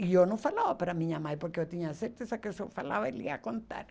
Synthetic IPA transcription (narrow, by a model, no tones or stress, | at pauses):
iewnɐ̃w̃falavɐpaɾamĩɲɐmajpoɾkeewt̪iɲɐseɾt̪esɐkewsewfala̰vɐelḭa̰kõnt̪a̰ɾ